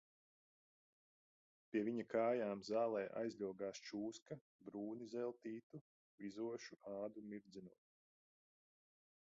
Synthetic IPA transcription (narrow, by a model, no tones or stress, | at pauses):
pʲiɛviɲakaːjaːmzaːlˠɛːʔa̰jzlʲuɔɡaːst͡ʃuːskɐ | bɾuːnizɛlˠt̪iːt̪u | izuɔʃuaːd̪umiɾd̪zinuɔt̪